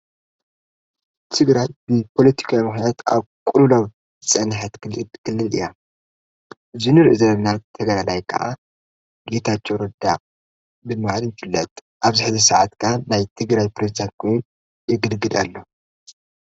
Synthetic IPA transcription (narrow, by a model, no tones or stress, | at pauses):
t̪ʰɨɡɾajbɨpʰo̞lɐt̪ʰi̥kʰawmɨxnat̪a̰βkʷʼululaw | ɨt͡sʼɐnħat̪kkʰɨlːɨlɨ̰ja | ɨzinɨɾɨʔzɐlnat̪ʰɐɡɾalajkʰɐ̰ʔa̰ | ɡe̞t̪ʰat͡ʃːowɾɐd̪a̰ʔʼ | bɨmalɨnfɨlːɐt̪ʼ | ʔaβzɨħzisɐʕat̪kʰanajt̪ʰɨɡɾajpɾezid̪ant̪̚kʰo̞jun | jɪɡɨlɡɨd̪alːo̞